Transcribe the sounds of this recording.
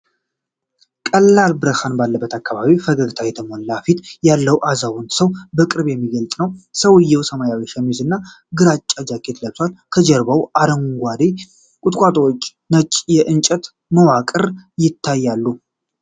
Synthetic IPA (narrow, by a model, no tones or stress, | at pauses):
kʼəlːalbɨɾəhanbalːəbːət̪ʰakːaβaβifəɡəɡɨt̪ʰajɛt̪ʰəmolːafit̪jalːəwʔazawɔnd̪səwbəkʼɨɾβjɛmːiɡəlt̪ʼnəwsəwɨjːɛwsəmajawiʃɛmizɨnːa | ɡɨɾat͡ʃʼːad͡ʒakʰːet̪ʰləbswalkʰəd͡ʒɛɾbawʔaɾəŋɡʷad̪e | kʼʊt̪ʼkʷʼat̪ʼowot͡ʃʼː | nət͡ʃʼːjɛʔɨnt͡ʃʼət̪ | məwakʼɨɾjɪt̪ʰːajːalːu